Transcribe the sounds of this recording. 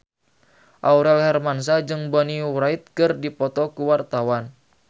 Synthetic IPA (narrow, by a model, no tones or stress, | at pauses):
ʔauɾɛlhɛrmans̬ad͡ʒɨŋbɔniuɾait̪̚kɨrdipɔt̪ɔkuwart̪awan